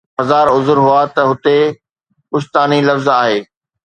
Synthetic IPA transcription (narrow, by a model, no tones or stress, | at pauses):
ɐzaːɾʊzɾɦʊat̪ɐɦʊt̪e | ʊʃt̪aːnilɐfzaːɦeː